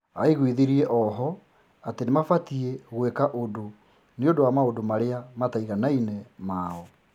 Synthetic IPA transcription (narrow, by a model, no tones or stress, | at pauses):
aiɣwiðeɾiɛʔɔɦɔ | atenemafatieɣwekaʔodo | neodowamaodomaɾeamataiɣanainɛmaɔ